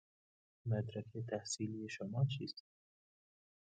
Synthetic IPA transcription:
mæd̪ɾækʰet̪ʰæhsiːlijeʃomɒːt͡ʃʰiːst̪

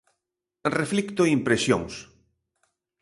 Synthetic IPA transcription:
reflikt̪oimpɾesjo̰ŋs

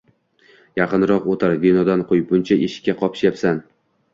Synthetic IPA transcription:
jɑqɨnɾɒqot̪ʰaɾbinɒd̪anqʰojpʊnt͡ʃʰaʔeʃkʲːaqʰɒpʃjapsan

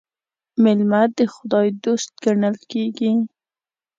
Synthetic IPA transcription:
mɪlmad̪əxʊd̪ɑjd̪ost̪̚ɡaɳəlkeɡi

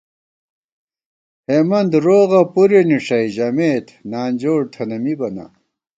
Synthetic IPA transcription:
heːmɐnd̪ɾoːɣɐpuɾeniʂɐjiʑɐmeːt̪naːnd͡ʑoːɽt̪ʰɐnɐmibɐna̰

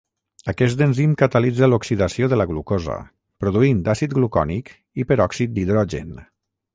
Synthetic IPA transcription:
əkɛsd̪ənzimkat̪əlid͡zaluksiðasioðələɣlukozə̰ | pɾuðuind̪asit̪̚ɡlukɔ̰nik | ipəɾɔksit̪̚d̪iðɾɔʒḛn

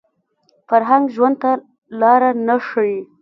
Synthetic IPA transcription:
faɾɦaŋɡʒwand̪̚t̪a | lɑɾanaʂəwi

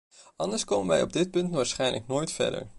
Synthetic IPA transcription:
ɑndəɹskowmənʋɛ̰jɔb̚dɪt̚pɵntʋaːɹsχɛjnləknoːjtfɛ̰ɹdə̰ɹ

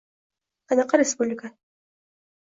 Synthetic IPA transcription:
qɑnɑqːəɾʲespublʲika

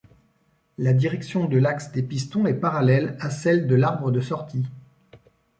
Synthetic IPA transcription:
lad̪iʁɛksjɔ̃d̪əlaksd̪epist̪ɔ̃ɛpaʁalɛlasɛld̪əlaʁbʁəd̪əsɔʁt̪ʰi

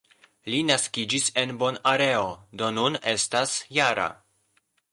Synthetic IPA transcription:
linaskid͡ʒise̞nbo̞naɾe̞o̞do̞nune̞stasjaɾa̰

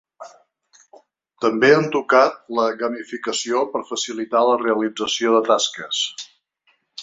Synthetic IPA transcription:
t̪əmbeənt̪ukat̪̚ləɣəmifikəsiopəɾfəsilit̪aləreəlid͡zəsioðət̪askəs

